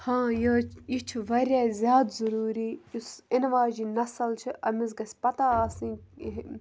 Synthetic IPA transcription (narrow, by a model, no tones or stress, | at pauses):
hãːjoit͡ʃʰiʋɐɾʲjaːzʲjaːd̪zɐɾuːɾiːjusɪnʋaːd͡ʒiːnɐsɐlt͡ʃʰiʔɐmizɡɐsʲpɐt̪aːsĩ